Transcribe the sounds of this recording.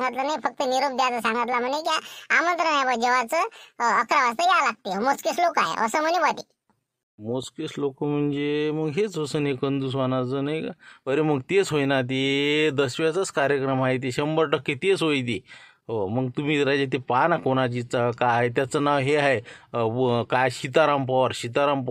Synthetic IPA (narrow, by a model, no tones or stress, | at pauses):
ŋɡat̪lanajfək̚t̪əniɾubd̪jat̪əsãŋɡat̪lam̤əɳd͡zekjaamə̃nt̪ɾəɳjabəd͡ʑəʋat͡səːkɾaʋast̪əjalaɡ̚t̪eomoskeslokaɦḛʔə̰səːm̤ənibad̪ḭ | moskeslokəm̤əɳd͡zeməɡɦet͡sosənɦekənd̪us̬ʋanat͡səːnajkaəɾem̤əɡt̪et͡sɦojnat̪̬ed̪əsʋat͡sat͡skaɾjəkɾəmajt̪̬eɕəmbəɾʈəkːet̪et͡sɦojt̪̬i | ɦoməɡt̪um̤iːɾad͡ʑet̪̬epanakoɽ̃at͡ɕit͡sakaaet̪̬jat͡sənaʋɦeɦae | kajɕit̪̬aɾampəɾɕit̪̬aɾamp